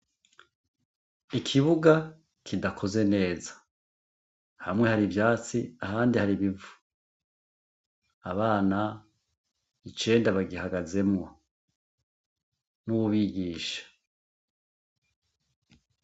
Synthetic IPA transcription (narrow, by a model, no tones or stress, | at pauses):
ikʰiβuɡa | kʰidakʰo̞ze̞ne̞ːzḁ | hamŋe̞haɾivjaːt͡siahaːndihaɾiβivu̥ | aβaːna | it͡ʃe̞ːndaβaɡihaɡaze̞mŋo̞ | nuβuβiɡiːʃḁ